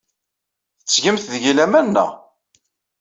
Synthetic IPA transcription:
θət͡sːʝəmθðʝilæmænːæ̰

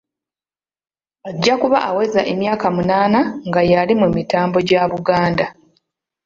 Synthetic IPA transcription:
aɟːakuβa̰ʔawe̞zaʔe̞mjaːkamunaːnaŋɡajalimemitaːmbo̞ɟaβuɡaːnda

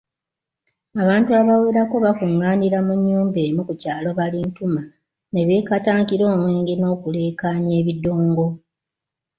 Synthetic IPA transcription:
aβaːntuaβaweːɾako̞βakuŋːaːniɾamuɲːuːmbe̞ːmukucaːlo̞βalintuma | ne̞βjeːkataːŋkiɾo̞ːmweːŋɡeno̞ːkule̞ːkaːɲe̞ːβidːo̞ːŋɡo̞

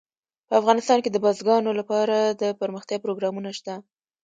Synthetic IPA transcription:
pəafɣɑnɪst̪ɑnked̪əbɑzɡɑnolapɑɾad̪əpəɾməxt̪jɑpɾoɡɾɑmunaʃt̪a

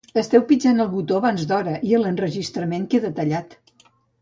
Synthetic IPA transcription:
əst̪ɛwpid͡ʒanəlˠβut̪oəβanzd̪ɔɾəʔiələnrəʒist̪ɾəmeŋkeðət̪əʎat̪

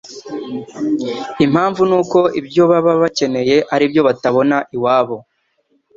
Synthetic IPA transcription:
im̥haːɱvunuːko̞ibjo̞βaβaβace̞ne̞je̞ʔaɾibjo̞βataβo̞naʔiwaːβo̞

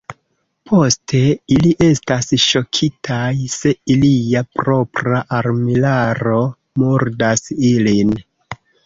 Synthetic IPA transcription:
pʰo̞stʰe̞iliʔe̞stasʃo̞kʰitʰajse̞iliapɾo̞pɾaʔaɾmilaɾo̞ | muɾdasilin

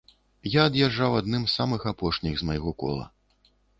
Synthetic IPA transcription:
jaːd̪jaʐːawad̪nɨmssamɨxapɔʂnʲiɣzmajɣɔkɔ̰lˠɐ̰

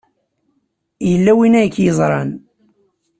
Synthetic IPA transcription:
jəlːæwinæjəkːjəzˤɾˤɑn

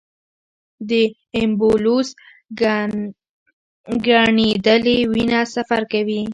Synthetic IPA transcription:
d̪ə | ɪmbolus | ɡaɳid̪əlewinasafaɾkawi

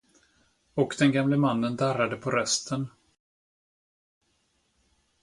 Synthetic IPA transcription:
ɔkd̪ɛnɡamləmanːənd̪aɾad̪əpʰɔɾœst̪ʰən

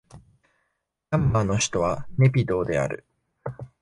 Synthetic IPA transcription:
amːano̞çi̥t̪o̞βane̞pʲid̪o̞ːd̪e̞a̰ɾɯ̟̰

